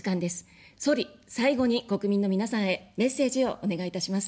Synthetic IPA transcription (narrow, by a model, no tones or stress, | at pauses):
kãnd̪e̞sɨ̥ | so̞ɾʲisaiɡo̞ɲ̟iko̞kɯ̟mʲĩnːo̞mʲinasãɰ̃e̞me̞se̞ːʑio̞ʔone̞ɡait̪aɕimasɨ̥